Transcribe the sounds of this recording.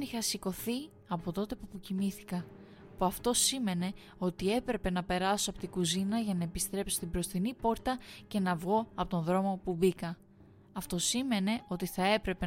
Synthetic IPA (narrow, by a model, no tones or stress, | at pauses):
niçɐsiko̞θi | ɐpo̞t̪o̞t̪e̞puɐpocimiθi̥kɐ | puɐft̪o̞sime̞ne̞ | o̞t̪ie̞pɾe̞pe̞nɐpe̞ɾɐsoɐpo̞t̪iɡuzinɐʝɐnɐepist̪ɾe̞psost̪ibɾo̞sθinipo̞ɾt̪ɐce̞nɐvɣo̞ɐpo̞t̪o̞nðɾo̞mo̞pubikɐ | ɐft̪o̞sime̞ne̞o̞t̪iθɐe̞pɾe̞pe